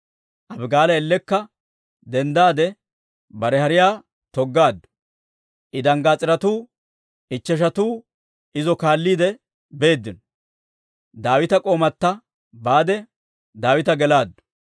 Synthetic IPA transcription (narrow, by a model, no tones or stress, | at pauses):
ʔɐbɡaːlɐɛlːɛkːɐ | d̪ɛnd̪aːd̪ɛ | bɐɾɛhɐɾɪjaː | t̪ɔɡːaːd̪ːʊ̥ | ʔɪd̪ɐŋɡaːt͡sʼɪɾɐt̪uː | ɪt͡ʃːɛʃ̬ɐt̪uː | ɪzɔkaːlːiːd̪ɛ | be̞ːd̪ːɪnɔ | d̪aːwɪt̪ɐkʼo̞ːmɐt̪ːɐ | baːd̪ɛ | d̪aːwɪt̪ɐɡɛlaːd̪ːʊ̥